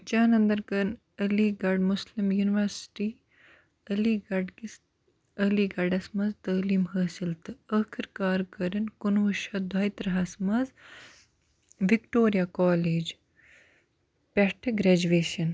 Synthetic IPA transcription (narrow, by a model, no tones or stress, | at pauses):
t͡ʃaːnɐnd̪ɐɾkɐɾn | ɐliːɡɐɖmʊslimjuːniʋɐɾsʈiː | ɐliːɡɐɖkis | ɐliːɡɐɖɐsmɐzt̪ɐːliːmɦɐːsilt̪ɨɐːkʰiɾkaːɾkɐɾɐnkunuʃɐːd̪ʱaːit̪ɾɐɦɐsmɐz | ʋikʈoːɾijaːkaːleːd͡ʒ | pʲɐʈʰɐɡɾɛːd͡ʒuʋeːʃɐn